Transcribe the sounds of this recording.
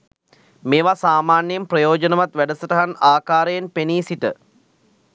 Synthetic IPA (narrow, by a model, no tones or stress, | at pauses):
meːʋasaːmaːnjjemprɐjoːd͡ʒənəʋat̪ʋæɖəsəʈəɦanaːkaːɾəjenpeniːsitə